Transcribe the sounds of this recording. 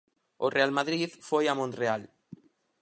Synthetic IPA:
orealmaðɾiðfojamõnreal

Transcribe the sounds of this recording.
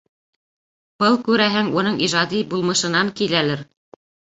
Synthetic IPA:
b̥ɤlˠkʉɾæɦɘŋunɤɴʔiʒɑd̪ibulˠmɤ̆ʃɤ̆nɑŋkilælɘɾ

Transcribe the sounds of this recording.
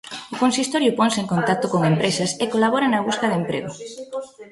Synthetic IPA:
ʊkonsist̪oɾjʊpoŋseŋkont̪ak̚t̪okoŋempɾesɐsekolaβoɾɐnɐβ̞uskɐðempɾḛɣʊ

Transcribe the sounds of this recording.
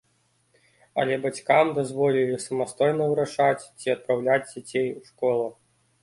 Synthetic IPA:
ɐ̰lʲɛbat͡sʲkamd̪azvɔlʲilʲisɐmast̪ɔjnɐvɨɾaʂat͡sʲt͡sʲiɐt̪̚pɾawlʲad͡zʲd͡zʲat͡sʲejwʂkɔlˠɐ

